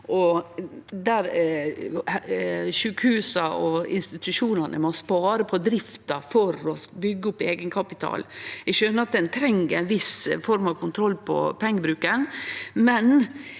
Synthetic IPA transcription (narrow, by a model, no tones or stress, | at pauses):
ʔɔ | d̪æɾ | ʃʉːkhʉːsɑɔɪ̰nst̪ɪt̪ʉʃuːnɑnə̰mɔspɑːɾəpʰɔd̪ɾɪft̪ɑfɔɾɔbʏɡːəʊpːeːɡənkʰɑpɪt̪ʰɑ̰ːlɛʃøːnəɾɑt̪̚d̪ɛnt̪ʰɾɛŋːəɾɛnʋɪsfɔɾmɑʋkʊnt̪ʰɾɔlːpʰɔ̰pʰɛŋːəbɾʉːkənmɛn